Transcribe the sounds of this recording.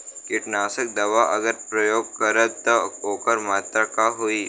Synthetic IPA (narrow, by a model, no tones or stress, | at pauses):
kɪʈnaːsək̚d̪ɐʋaʔɐɡəɾpɾɐjoːɡ̚kəɾət̪ːɔoːkəɾmaːt̪ɾəkaɦoiː